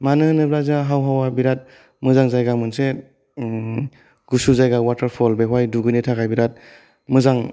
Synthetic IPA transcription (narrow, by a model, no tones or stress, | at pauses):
manɯhɯnɯblazaɦawɦawabiɾat̚ | mɯzaŋzajɡamɯnse | ɡusuzajɡawatəɾpʰɔlbeɦwajduɡɯnitʰaɡajbiɾat̚ | mɯzaŋ